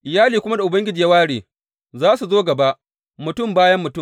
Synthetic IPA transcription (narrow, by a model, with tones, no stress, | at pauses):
ʔɪ˨jaː˦liː˨kʷʊ˦ma˦da˨ʔʊ˨bɐ˦ŋɡʲɪ˦d͡ʒiː˨jɐ˦waː˦ɽeː˨ | zaː˦su˨zoː˦ɡɐ˨ba˦ʔ | mʊ˨tʊ˦˨mbaː˦jɐ˦mːʊ˨tʊ˦˨